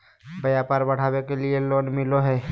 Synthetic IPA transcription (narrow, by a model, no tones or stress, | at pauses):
bɐjapaːɾbɐɽ̤aːwekelieloːnmɪloɦɛː